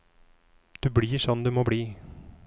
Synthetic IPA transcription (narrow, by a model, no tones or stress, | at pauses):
d̪̥ʉbliːʂɔnːd̪ɛmɔbliː